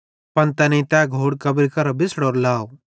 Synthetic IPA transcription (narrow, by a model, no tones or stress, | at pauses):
pɐnt̪ɛnɐĩt̪ɛːɡʱoːɽkɐbɾkɐɾɐbɪsɽɔːɾlaːw